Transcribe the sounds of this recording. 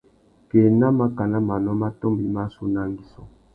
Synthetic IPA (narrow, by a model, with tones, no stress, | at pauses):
ke˨na˦ma˦ka˨na˦ma˨nɔ˦ma˦to˦mbi˦ma˦su˦na˦ŋɡi˦sɔ˦